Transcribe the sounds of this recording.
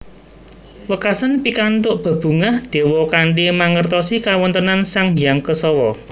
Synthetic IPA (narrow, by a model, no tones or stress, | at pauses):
wəkasanpikant̪ʊʔb̥a̤b̥ṳŋahd̪̥e̤wɔkaɳɖemaŋərt̪ɔsikawɔnt̪ənansaŋmijaŋkəsɔwɔ